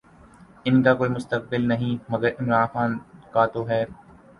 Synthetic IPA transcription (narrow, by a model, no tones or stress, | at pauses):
ɪnkaːkoːimʊst̪ək̚bɪlnɐɦĩmɐɡəɾɪmɾaːnxaːnkaːt̪oɦɛː